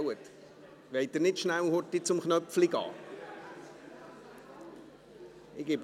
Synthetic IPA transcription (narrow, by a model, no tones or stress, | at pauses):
wət | ʋeɪtdənɪtʃnæwhʊtːit͡sʊmχnœpfliɡɑ̰ː | ɪɡ̥ɪp